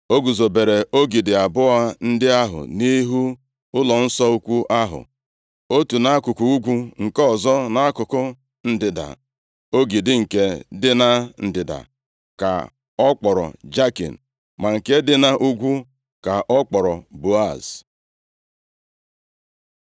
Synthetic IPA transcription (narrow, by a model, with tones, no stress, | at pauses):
o˦ɡu˨zo˨be˨ɾe˨o˦ɡi˨dɪ˨a˨bʊ˦a˦n̩˦dɪ˦a˦ɦʊ̰˨ni˦ɦu˦ | ʊ˦lɔ˨n̩˦sɔ˦u˦kʷu˦ʔa˦ɦʊ̰˨ | o˦tu˨na˦kʊ˨ku˨u˦ɡʷu˦ŋ̩˨kɔ˦zɔ˦na˦a˦kʊ˨kʊ˦ | n̩˨dɪ˨da̰˨ | o˦ɡi˨dɪ˨ŋ̩˨ke˦dɪ˦na˦n̩˨dɪ˨da̰˨ | ka̰˨ | ɔ˦k͡pɔ˨ɾɔ̰˨d͡ʒa˦kḭ˨n̩˨ | ma˨ŋ̩˨ke˦dɪ˦na˦ʔu˦ɡʷu˦ | ka˨ʔɔ˦k͡pɔ˨ɾɔ˨bo˨a˦˨s